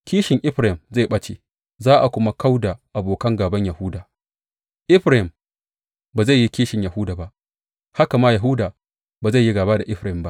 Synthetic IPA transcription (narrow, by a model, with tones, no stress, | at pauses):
kʲiː˦ʃɪ˨ŋʔɪ˦ɸɾa˨ɪ˨mza˦˨ɓɐ˦t͡ʃe˦ | zaː˦ʔa˨kʷʊ˦ma˦ka˦wda˨ʔa˨boː˨kɐ˦ŋɡaː˨bɐ˦ɲja˨hʊ˦daː˨ | ʔɪ˦ɸɾa˦ɪ˨m | baː˨za˦˨ji˦kʲiː˦ʃɪ˨ɲja˨hʊ˦daː˨ba˦ʔ | ha˦ka˨maː˦ja˨ɦʊ˦daː˨ | baː˨za˦˨jːi˦ɡaː˨baː˦da˨ʔɪ˦ɸɾa˨hɪ˨mba˦ʔ